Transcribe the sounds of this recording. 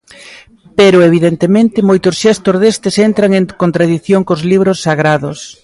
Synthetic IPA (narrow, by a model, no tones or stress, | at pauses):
peɾʊeβ̞iðent̪emẽnt̪ɪmojt̪ʊsʃɛst̪ozðest̪ɪsent̪ɾaŋeŋkont̪ɾaðiθjoŋkozliβ̞ɾʊsːaɣɾaðʊs